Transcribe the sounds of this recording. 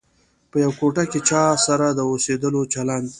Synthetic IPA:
pəjawkoʈaket͡ʃɑsaɾad̪əosed̪əlot͡ʃaland̪

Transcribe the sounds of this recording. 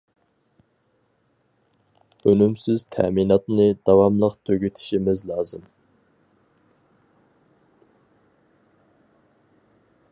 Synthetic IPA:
ønymsɪz̥t̪ʰæ̰minɑt̪nɨd̪̥ɑwɑmlˠəqt̪ʰøɡʲyt̪ʰɪ̥ʃimɪzlˠɑːzɨm

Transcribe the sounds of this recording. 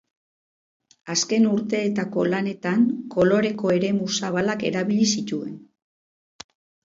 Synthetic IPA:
aske̞nuɾt̪e̞ːt̪ako̞lane̞t̪aŋkʰo̞lo̞ɾe̞ko̞e̞ɾe̞musaβ̞alake̞̰ɾaβilisit̪ue̞n

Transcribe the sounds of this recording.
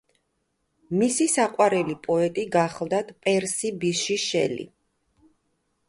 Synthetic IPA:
misisaqʼwaɾɛlipʼɔɛt̪ʼiɡaχlˠd̪at̪ʰpʼɛɾsibiʃiʃɛ̰lḭ

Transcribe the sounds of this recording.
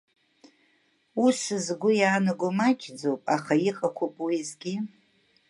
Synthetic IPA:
usɨzɡʷʊjaːnɨɡʷʊmat͡ʃʲʰʼd͡zowpʼaχaiqʼakʷʰopʼwizɡʲi

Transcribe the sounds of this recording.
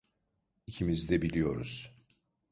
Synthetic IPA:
icʰimizd̪ɛbilʲijo̞ɾuz̥

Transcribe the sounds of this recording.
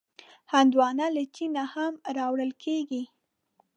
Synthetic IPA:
hand̪wɑnalat͡ʃinahamɾɑwɽəlkʰeɡi

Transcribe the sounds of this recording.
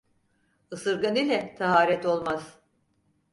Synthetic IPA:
ɯsɯɾɡanilʲɛt̪ʰaɦaːɾɛt̪o̞lˠmaz̥

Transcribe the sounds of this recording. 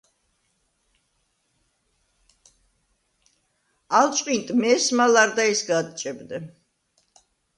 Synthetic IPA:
alt͡ʃʼqʼint̪ʼmɛsmalaɾd̪aisɡad̪̚t͡ʃʼɛbnɛ

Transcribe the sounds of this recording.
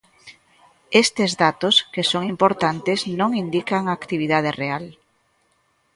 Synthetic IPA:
est̪ezðat̪oskesoŋimpoɾt̪ant̪eznõŋind̪ikaŋaːkt̪iβ̞iðað̞ereal

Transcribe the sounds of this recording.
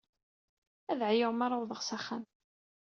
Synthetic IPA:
æðʕajəʁmaɾˤawðˤəʁsæχːæm

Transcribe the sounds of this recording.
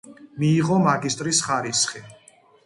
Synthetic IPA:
miːʁɔmaɡist̪ʼɾisχaɾisχi

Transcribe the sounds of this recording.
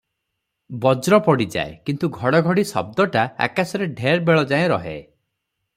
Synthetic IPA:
bɔd͡ʒɾɔpɔɽid͡ʒa̰ekint̪uɡʱɔɽɔɡʱɔɽisɔ̰b̚d̪ɔʈaa̰kasɔɾeɖʱeɾbeɭɔd͡ʒaẽɾɔɦḛ

